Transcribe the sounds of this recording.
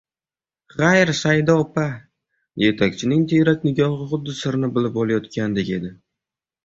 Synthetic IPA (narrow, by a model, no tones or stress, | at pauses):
χajɾsajd̪ɒpa | je̞t̪ʰakʲt͡ʃʰɪnɪŋt̪ʰejɾak̪ʲnɪɡʲɒχɨχʊd̪ːɪsɪɾnɪbɪlɪp̚olˠajɒt̪kʲand̪ɪkʲe̞d̪ɪ